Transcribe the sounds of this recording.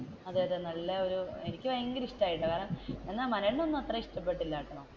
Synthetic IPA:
ɐðaːjɐðɨnɐlːɐoɾuenikʲːɨʋɐjɐŋɡɐɾiʂtaːjiʈːɨkaːɾɐnɐmenːaːmɐnɐɳːonːuɐt̪rɐiʂʈɐpːeʈːilːaːʈːɐɳoː

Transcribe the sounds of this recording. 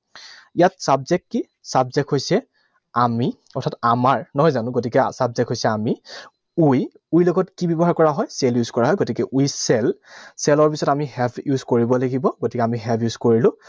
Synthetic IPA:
ijatsabzɛk̚tːi | sabzɛkʰɦojsɛ | ami | ɔɹtʰatamaɹnɔɦɔjzanʊ̃ɡotikɛsabzɛkɦojsɛami | uj | ujloɡɔtkibɔbɔɦaɹkɔɹaɦɔjsɛljuzkɔɹaɦɔjɡotikɛʔujsɛlsɛlɔɹpisɔtamihɛbʰjuzkoɹibɔlaɡibɔɡotikɛamiɦɛpʰjuzkoɹilʊ̃

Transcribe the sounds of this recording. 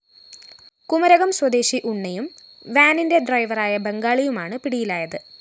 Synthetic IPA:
kumɐɾɐɣɐmswɐd̪e̞ːɕiʔuɳːɐjum | ʋaːninde̞ɖrɐjʋɐraːjɐbe̞ŋɡaːɭijumaːɳɨpiɽijilaːjɐðɨ

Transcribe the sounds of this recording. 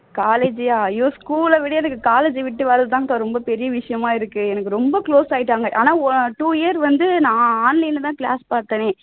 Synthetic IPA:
kaːleːd͡ʒaɐjoːskuːlɐʋɪɽɐjɛnɐkːɯkaːleːd͡ʒɯʋɪʈːɯʋɐːɾɐðɯt̪aːŋɐt̪ːaɾɔmbɐpɛɾɪjɐʋɪʂɐjɐmaːɪɾɯkːɯɛnɐkːɯɾɔmbɐkloːsaːjɪʈːaːŋɡɐʔa̰ːnaːʈuːɪjɐɾʋɐnd̪ɯnãːaːnlɛɪnt̪̬ãːkla̰ːspaːɾt̪ːɐnẽː

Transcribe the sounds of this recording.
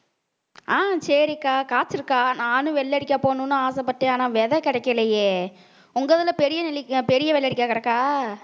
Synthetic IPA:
aːsɛɾɪkːaːkaːt͡ʃːɪɾɯkːaːnaːnɯ̃ʋɛɭːɐɽɪkʲːaːpoːnʊ̃nːɯaːsɐpːɐʈːẽaːnaːʋɛðɐkɪɽɐkːɪlɐjeː | ʊŋɡɐɐðɪlɐpɛɾɪjɐnɪlɪkpɛɾɪjɐʋɛɭːɐɽɪkʲːaːkɐɾɐkːaː

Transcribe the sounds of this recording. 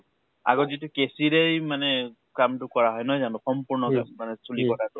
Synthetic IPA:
a̰ɡɔzitukesiɾejmane | kamtukɔɹaɦɔjnɔjzanusɔmpuɹnɔka̰mːanesulikɔtʰatu

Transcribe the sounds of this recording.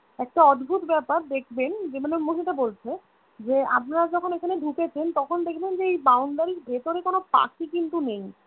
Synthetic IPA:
ɛk̚ʈaɔd̪bʱut̪bɛpaɾd̪ekʰbend͡ʑemanomoɦiʈabolt͡ɕʰe | d͡ʑea̰pnaɾad͡ʑɔkʰonekʰaneɖʱuket͡ɕʰent̪ɔkʰond̪ekʰbend͡ʑeejbawɳɖaɾiɾbʱet̪oɾekonopa̰kikint̪unej

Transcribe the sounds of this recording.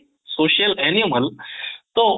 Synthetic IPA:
soːɕjəlɛniməlt̪o

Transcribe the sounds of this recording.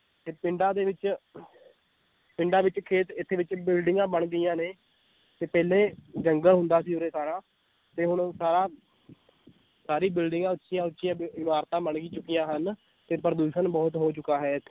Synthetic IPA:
t̪eːpɪɳɖãːd̪eːʋɪt͡ʃ | pɪɳɖaːʋɪt͡ʃkʰeːt̪ɪt̪ʰːeːʋɪt͡ʃbɪlɖɪŋɡãːbəɳɡəijãːneː | t̪eːpɛːlẽːd͡ʒəŋɡəlɦʊnd̪aːsiːoːɾeːsaːɾãː | t̪eːɦʊɳsaːɾaː | saːɾiːbɪlɖɪ̃ŋɡãːʊtːʃijãːʊtːʃijãːbɪmaːɾt̪ãːbəɳɡiːt͡ʃʊkijãːɦən | t̪eːpəɾəd̪uːʃənbɔːt̪ɦoːt͡ʃʊkːaːɦɛːt̪ʰː

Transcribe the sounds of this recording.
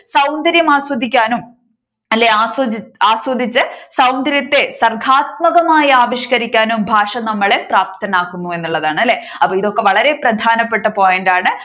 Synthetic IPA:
sɐwnd̪ɐɾjɐmaːswɐd̪ʱːikʲːaːnum | ɐlːeaːswɐaːswɐd̪ʱːit͡ɕːɨsɐwnd̪ɐɾjɐt̪ːe̞sɐrɡʱaːt̪̚mɐɣɐmaːjɐaːʋiɕkɐɾikʲːaːnumbʱaːʂɐnɐmːɐɭepraːp̚t̪ɐnaːkːunːue̞nːuɭːɐðaːɳɨɐlːe̞ː | ɐpːoːiðo̞kːe̞ʋɐɭɐɾe̞prɐd̪ʱaːnɐpːe̞ʈːɨpo̞ːjenɖaːɳɨ

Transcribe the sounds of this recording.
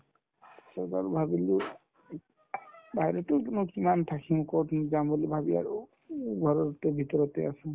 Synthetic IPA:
sɔɡa̰ɾubʱabilu | bʱajɾɔt̪ewkenukimant̪ʰakʰĩkɔʈnid͡ʒambɔlibʱabia̰ɾu | ɡʱɔɾɔɾt̪ebʱit̪ɔɾɔt̪easũ

